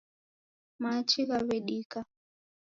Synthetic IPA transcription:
mat͡ʃiɣaβɛɗika

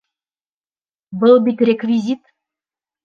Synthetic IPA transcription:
bəlˠbit̪rʲekvʲizʲit̪

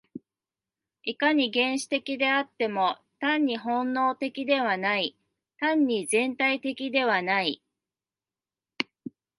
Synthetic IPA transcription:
ikaɲ̟iɡẽ̞ɰ̃ɕi̥t̪e̞kʲid̪e̞at̪ːe̞mo̞ | t̪ãɲ̟ːiɦõ̞nːo̞ːt̪e̞kʲid̪e̞β̞anai | t̪ãɲ̟ːizẽ̞nt̪ait̪e̞kʲid̪e̞β̞anai

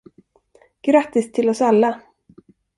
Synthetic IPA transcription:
ɡ̥ɾat̪ːɪst̪ʰɪlɔsalːa

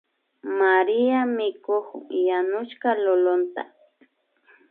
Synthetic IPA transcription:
maɾɪamɪkoχjanʊʃkalolont̪a̰

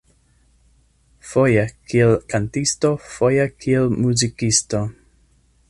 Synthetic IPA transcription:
fojekʰielkʰantistofojekʰielmuzikisto

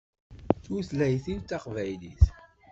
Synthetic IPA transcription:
θuθlæjθilt͡s̪ːaqvæjliθ

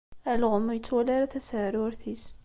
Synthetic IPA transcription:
ælʁəmːjət͡sːwælæɾæθæsʕəɾʊɾθis

